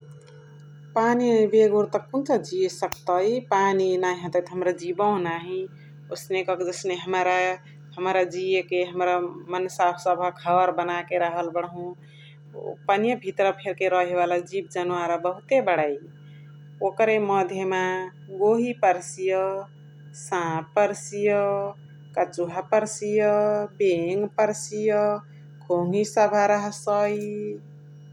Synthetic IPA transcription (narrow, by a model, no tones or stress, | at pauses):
panibeɡoɾt̪əkkːunt͡ʃad͡ʒijesəkt̪əjpaninaɦĩɦə̃t̪ət̪ɦəmɾad͡ʒibə̃naɦi | osnekʌkd͡ʒəsneɦəmɾa | həmɾad͡ʒijekeɦəmɾamənsasəbʱəkɦəbəɾbənakeɾəɦəlbəɽɦũ | pənjəbʱit̪ɾəpʰeɾkeɾəɦeβalad͡ʒibd͡ʒənwaɾəbəɦut̪ebəɽ̤ai | okɾeməd̪ʱjema | ɡoɦipəɾsijə | sãpəɾsijə | kət͡ʃuɦapəɾsijəbeŋɡpəɾsijə | kʰoŋisəbʱaɾəɦsəi